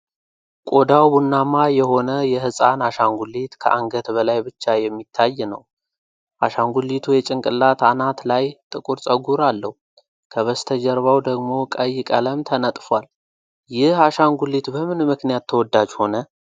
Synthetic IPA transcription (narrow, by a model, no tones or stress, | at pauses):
kʼod̪awbunːamajɛho̞nəjɛhɨsʼanaʃaŋɡulit̪kʰə̰ʔaŋɡət̪bəlajbɨt͡ʃːajɛmːit̪ʰːajːnəw | ʔaʃaŋɡulːit̪ʰujɛt͡ʃʼɪŋkʼɨlːat̪ʰanat̪lajt̪ʼɨkʼuɾt͡sʼəɡuɾalːəhu | kʰəβəst̪ʰəd͡ʒɛɾβawd̪əɡmo̞kʼəjːɪkʼələmt̪ʰənət̪ʼfwal | jɪhaʃaŋɡulːit̪bəmɨnmɨknijat̪ʰːəwɔd̪ːad͡ʒho̞nə